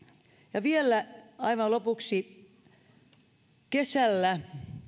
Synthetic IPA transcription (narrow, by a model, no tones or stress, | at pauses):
jɑʋielːˑæɑiʋɑlopuksi | kesælːæ